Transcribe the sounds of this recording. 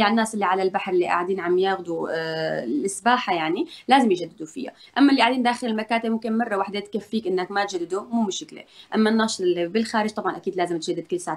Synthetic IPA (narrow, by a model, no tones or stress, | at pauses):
aɪnːaːsʔɪlːiʕalalbaħɾˤɪlːiʔa̰ʕd̪iːnʕamjaːɣd̪u | lʔɪsbaːħajaʕnilaːzɪmjʒad̪ːɪd̪ufɪ̰jːa̰ʔamːaʔɪlːiʔaʕd̪iːnd̪aːxɪlɪlmakaːt̪ɪbmʊmkɪnmɑrˤːɑwaħd̪et̪̚kafːiːkʔɪnːakmat̪ʒad̪ːɪd̪umuːmɪʃɪklḛʔamːanːɑːʃt̪bɪlxaːɾɪʒt̪ˤɑbʕɑnʔakiːd̪laːzɪmt̪ʒad̪ːɪd̪̚kʊlːsaːʕa